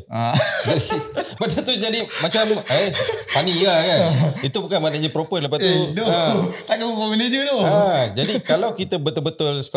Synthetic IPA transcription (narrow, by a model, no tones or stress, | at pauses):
ababədat̪ud͡ʒadimat͡ʃaməjpanilakanit̪ubukanmanaɲapɾopələpast̪udoãt̪akəupomined͡ʒut̪oad͡ʒadikalawkit̪əbət̪ʊlbət̪ʊlsk